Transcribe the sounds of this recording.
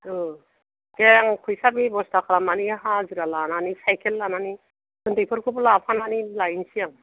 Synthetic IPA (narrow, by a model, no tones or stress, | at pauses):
ɯ | ɡeŋkʰujsabibɔstakʰaɾamaniɦaziɾalananisajkʰelːanani | ɡɯntejpʰɯɾkʰɯblapʰananilajnsijaŋ